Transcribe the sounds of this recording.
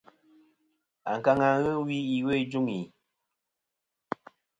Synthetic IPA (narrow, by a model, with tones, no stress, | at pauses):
a̰˨ŋ̩˨ka˦ŋa˨ɣə˦wi˦i˨we˦˨˦d͡ʒu˦ŋi˨